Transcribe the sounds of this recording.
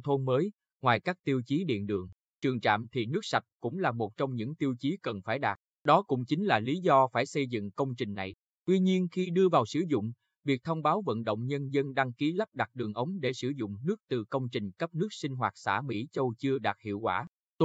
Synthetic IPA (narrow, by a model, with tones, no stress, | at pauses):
t̪ʰo˧nməː˨˦j | ŋwaː˨˩jkaː˦˥k̚t̪i˧əwt͡ɕi˨˦ɗḭ˧˨ənɗɨ̰˨˩əŋ | t͡ɕɨ˨˩əŋt͡ɕa̰ː˧˨mt̪ʰi˨˩nɨ˦˥k̚sa˨˩t̚kʊ̰˧˥ŋ͡mlaː˨˩mo˨˩t̚t͡ɕɔ˧wŋ͡mɲɨ̰˧˥ŋt̪i˧əwt͡ɕi˨˦kə˨˩nfaː˧˩jɗaː˨˩t̚ | ɗɔ˨˦kʊ̰˧˥ŋ͡mt͡ɕï˨˦ŋ̟laː˨˩li˨˦zɔ˧faː˧˩jsə˧jzɨ̰˧˨ŋkə˧wŋ͡mt͡ɕï˨˩ŋ̟na˨˩j | t̪wi˧ɲi˧ənxi˧ɗɨ˧əvaː˨˩wsɨ̰˧˩zʊ̰˧˨ŋ͡m | vi˨˩k̚t̪ʰə˧wŋ͡mɓaː˨˦wvə̰˧˨nɗo̰˧˨wŋ͡mɲə˧nzə˧nɗa˧ŋki˨˦lə˦˥p̚ɗa˨˩t̚ɗɨ˨˩əŋʔə˨˦wŋ͡mɗe˧˩sɨ˧˩zʊ̰˧˨ŋ͡mnɨ˦˥ək̚t̪ɨ˨˩kə˧wŋ͡mt͡ɕï˨˩ŋ̟kə˦˥p̚nɨ˦˥ək̚sï˧ŋ̟ɦwaː˨˩t̚sa̰ː˧˩mḭ˧˥t͡ɕə˧wt͡ɕɨ˧əɗaː˨˩t̚hḭ˧˨əwkwaː˧˩